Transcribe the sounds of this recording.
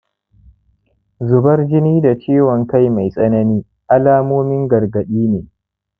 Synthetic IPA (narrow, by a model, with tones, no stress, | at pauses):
zʊ˨bɐ˦rd͡ʒɪ˦niː˦da˨t͡ʃeː˦wɔ˨ŋka˦˨jma˨jsʼɐ˦nɐ˦niː˦ | ʔa˦laː˦moː˦mɪ˦ŋɡɐ˨rɡɐ˨ɗiː˦neː˨